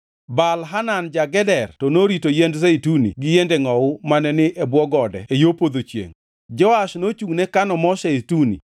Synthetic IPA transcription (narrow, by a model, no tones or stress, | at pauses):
balɦanand͡ʒaɡɛdɛrtɔnoɾitojɛndzɛitunḭɡɪjendɛŋɔʊmanɛnɪʔɛbwɔɡɔdɛ̰ejopod̪ot͡ʃjḛŋ | d͡ʒɔaʃnot͡ʃuŋnɛkanɔmɔʃɛitunḭ